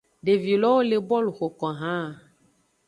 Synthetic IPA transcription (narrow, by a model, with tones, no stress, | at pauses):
ɖe˨vi˨lɔ˦wo˦le˨bɔ˦lu˨xo˨kɔ˨ɦã˦˨